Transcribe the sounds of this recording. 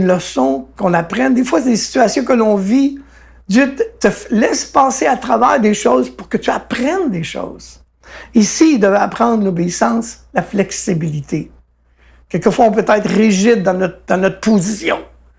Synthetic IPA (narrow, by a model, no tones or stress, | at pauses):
nləsɔ̃kɔ̃napʁɛnd̪efwased̪esi̥t̪yasjɔ̃kəlɔ̃vi | d̪zjøt̪t̪əlɛspɑ̃ːseat̪ʁavɛːʁd̪eʃoːzpuʁkət̪yapʁɛnd̪eʃɔ̰ːz̥ | isiid̪əvɛapʁɑ̃d̪ʁlobeisɑ̃ːslaflɛksibilit̪ʰe | kʲɛlkəfwaɔ̃pøt̪ɛːt̪χʁiʒɪd̪̚ːɑ̃nɔt̪χd̪ɑ̃nɔt̪χpozisjɔ̰̃